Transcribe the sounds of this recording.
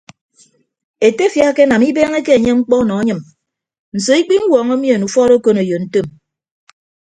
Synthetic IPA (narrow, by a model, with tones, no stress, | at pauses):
e˨te˦fja˦ke˦na˨mi˦beː˦ŋe˦ke˦e˨ɲe˦ŋ͡m̩˦k͡pɔ˦nɔ˨a˦ɲɨ˨m | n̩˨so˨i˦k͡pi˦ŋ̩˦wɔː˨ŋo˦mjo˨nu˨fɔ˦ɾo˦ko˦no˨jo˨n̩˦to˦˨m